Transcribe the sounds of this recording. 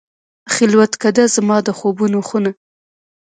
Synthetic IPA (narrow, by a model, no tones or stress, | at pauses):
xɪlwat̪kad̪azamɑd̪əxobunoxuna